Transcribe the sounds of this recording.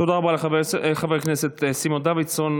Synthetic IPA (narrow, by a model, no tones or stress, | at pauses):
t̪od̪aʁabaleveχaveʁkneset̪simond̪avid̪son